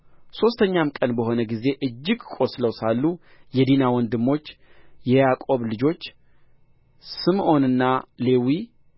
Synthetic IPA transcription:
so̞st̪ʰəɲːamkʼənbəɦo̞nəɡize̞ʔɨd͡ʒːɪɡkʼo̞sləwsalːujɛd̪inawɔnd̪ɨmːo̞t͡ʃːjɛjakʼo̞βlɨd͡ʒo̞t͡ʃː | sɨmʔo̞nɨnːale̞wi

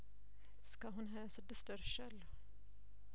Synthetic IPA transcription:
skɑɦʊnɦøːsɔd̪əst̪œɾʃɛl

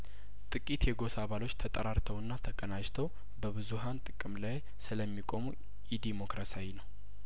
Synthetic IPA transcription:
t̪ʼɨkʼit̪jɛɡo̞saβalo̞t͡ʃːt̪ʰət̪ʼəɾaɾt̪ʰəwɨnːat̪ʰəkʼənat͡ʃt̪ʰəw | bəβɨzuɦant̪ʼɨkʼɨmlaj | sɨləmːikʼo̞mu | jid̪imo̞kɾasawinəw

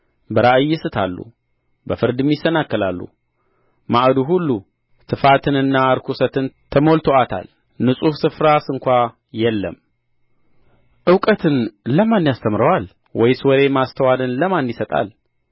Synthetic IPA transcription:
bəɾaʔɨjːɪsɨt̪ʰalːṵ | bəfɨɾd̪ɨmjɪsːənakːɨlalːṵ | maʔd̪uɦulːu | tʰɨfat̪ʰɨnɨnːaɾkʰusət̪ʰɨnt̪ʰəmolt̪ʰoat̪ʰa̰l | nɨsʼufsɨfɾasɨŋkʷa | jɛlːə̰m | ʔɨwkʼət̪ʰɨnləmanːjast̪ʰəmɾəwal | wɔjswɔɾe̞mast̪ʰəwad̪ɨnləmanːisət̪ʼa̰l

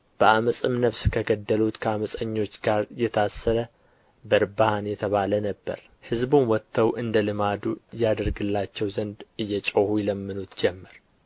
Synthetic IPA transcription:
b̥əʔaməsʼɨmnəfskʰəɡəd̪ːəlut̪kʰəaməsʼəɲːo̞t͡ʃːɡaɾjɛt̪ʰasːəɾə | bəɾbahanjɛt̪ʰəβalənəbːə̰ɾ | hɨzbunwɔt̪ʰːəwʔɨnd̪əlɨmad̪ujad̪əɾɡɨlːat͡ʃːɛwzənd̪ɨjːɛt͡ʃʼohujɛləmːɨnut̪d͡ʒɛmːəɾ

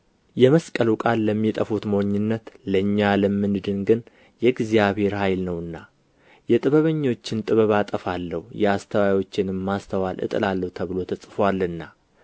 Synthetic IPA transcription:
jɛməskʼəlukʼalːəmːit̪ʼəfut̪mwɲːɪnːət̪ləɨɲːaləmːɨnɨd̪ɨnɡɨn | jɛɡzijaβhe̞ɾhajlnəwɨnːa | jɛt̪ʼɨβəβəɲːo̞t͡ʃːɪnt̪ʼɨβəβat̪ʼəfalːəhujɛast̪ʰəwawo̞t͡ʃːɪnɨmːast̪ʰəwalʔɨ̰t̪ʼɨ̰lalːəhut̪ʰəβɨlo̞t̪ʰəsʼɨfwalːɨnːa

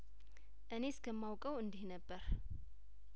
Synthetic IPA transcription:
ʔɨne̞skʰəmːawkʼəwɨnd̪ihnəbːəɾ

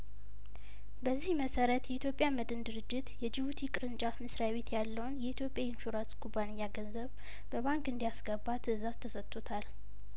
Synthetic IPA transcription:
bəzːihməsəɾət̪jɛit̪ʰjo̞pʼjaməd̪ɨnd̪ɨɾɨd͡ʒːɪt̪jɛd͡ʒɪβut̪ʰikʼɨɾɨnt͡ʃʼafmɨsɾjaβe̞t̪ʰjalːəwnjɛit̪ʰjo̞pʼjaɪnʃuɾanskʰʼubanɪjːaɡənzəβ | bəβaŋkʼɨnd̪ijasɡəbat̪ʰɨzazt̪ʰəsət̪ʼːot̪ʰal

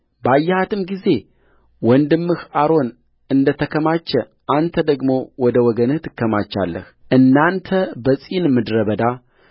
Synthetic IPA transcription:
bajːɛhat̪ʰɨmɡize̞ | wɔnd̪ɨmːɨhaɾo̞n | ɨnd̪ət̪ʰəkʰəmat͡ʃːɛ | ʔant̪ʰəd̪əɡmo̞wɔd̪əwɔɡənɨht̪ɨkːəma̰t͡ʃːa̰lːə̰hʔɨnːant̪ʰəbəsʼinmɨd̪ɾəβəd̪a

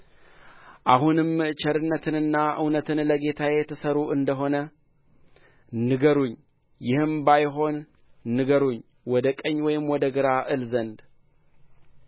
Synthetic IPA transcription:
ʔaɦunɨmːɨt͡ʃʰɛɾɨnːət̪ʰɨnɨnːaʔɨ̰wnət̪ʰɨnləɡe̞t̪ʰajɛt̪ʰːəsəɾuʔɨnd̪əɦo̞nə | nɨɡəɾuɲː | jɪhɨmbajɦo̞nː | ɨɡəɾuɲː | wɔd̪əkʼəɲːwɔjɪmwɔd̪əɡɨɾaʔɨlzənd̪

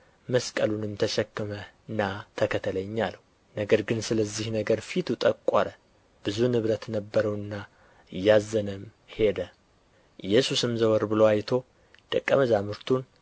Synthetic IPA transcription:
məskʼəlunɨmt̪ʰəʃɛkːɨmə | ɨnːat̪ʰəkʰət̪ʰələɲːaləu | nəɡəɾɡɨnsɨləzːihnəɡəɾfit̪ʰut̪ʼəkʼːə̰ɾə | b̥ɨzunɨβɾət̪nəbːəɾəwɨnːa | jazənɨm | he̞d̪ə | jɛsusɨmzəwəɾbɨloajt̪ʰo̞ | d̪̥əkʼːəməzamɨɾt̪ʰun

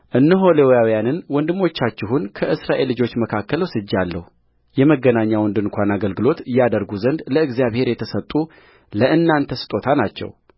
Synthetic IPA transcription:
ʔɨnːəɦo̞lewjawijanɨnwɔnd̪ɨmːo̞t͡ʃːat͡ʃːɪɦunkʰəʔɨsɾaʔe̞lːɨd͡ʒo̞t͡ʃːməkʰakːələwsɨd͡ʒːalːə̰hu | jɛməɡːənaɲːawɔnd̪ɨnkʷanaɡəlɡɨlo̞t̪ɨjad̪əɾɡuzənd̪ləɨɡzijaβhe̞ɾjɛt̪ʰəsət̪ʼːu | ləʔɨnːant̪ʰəsɨ̥t̪ʼo̞t̪ʰanat͡ʃːɛ̰w

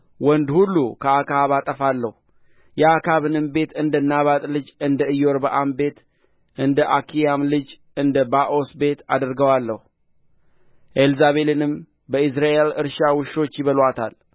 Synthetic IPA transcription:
wənd̪hulːukʰəakʰaβat̪ʼəfalːəhu | jɛakʰaβɨnɨmbe̞t̪ɨnd̪ənaβat̪ʼlɨd͡ʒɨnd̪əɨjo̞ɾbəʔambe̞t̪ | ʔɨnd̪əʔakʰijamlɨd͡ʒ | ɨnd̪əbaʔo̞sbe̞t̪ʰa̰d̪əɾɡəwalːəhu | ʔelzaβe̞lɨnɨm | bəis̬ɾaʔe̞lɨɾʃawɨʃo̞t͡ʃːjɪβəlwat̪ʰa̰l

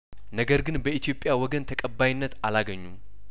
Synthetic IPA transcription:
nəɡəɾɡɨnbəʔit̪ijo̞pʼjawɔɡənt̪ʰəkʼəbːajɪnːət̪alaɡəɲːu

